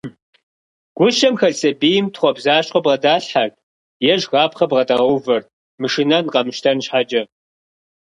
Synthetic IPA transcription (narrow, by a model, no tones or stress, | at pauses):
ɡ̥ʷʊʃɐmxɐɮsɐbiːjɪmtχʷɔbzaːɕʼqɔbqɐdaːɬħar | jɛʒɣaːpχɐbʁɐdɐʁɐwvɐr | mɨʂɪnɐnqɐmɨʃtʰɐnɕħad͡ʒɐ